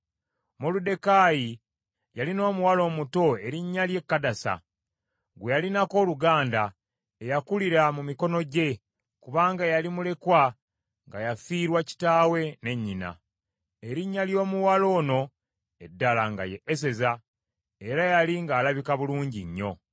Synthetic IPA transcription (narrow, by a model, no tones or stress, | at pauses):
molude̞kaːji | jalino̞ːmuwalo̞ːmuto̞e̞ɾiɲːalje̞kːadasa̰ | ɡwejalinako̞ːluɡaːnda | ejakuliɾamumiko̞no̞ɟe̞ | kuβaːŋɡajalimule̞kwa | ŋɡajafiːɾwaci̥taːwe̞ne̞ɲːina̰ | eɾiɲːaljo̞ːmuwalo̞ːno̞ | edːalaŋɡa̰jeːs̬e̞za | eɾajaliŋɡaːlaβikaβuluːɲɟiɲːo̞̰